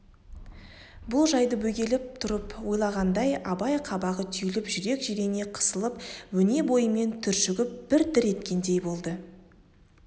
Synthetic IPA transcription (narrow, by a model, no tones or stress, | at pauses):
bʊlˠʒɑjd̪əbɵɡʲe̞lɪp̚t̪ʰʊɾəpwo̞jlˠɑʁɑnd̪ɑjɑbɑjqʰɑbɑʁət̪ʰʏjlɪpʒʏɾe̞kʒiɾene̞qʰə̥səlˠəp̚wɵne̞bo̞jəme̞nt̪ʰʏɾʃʏɡʲɪp̚b̥ɪɾd̪ɪɾe̞t̪̚kʲe̞nd̪e̞jbo̞lˠd̪ə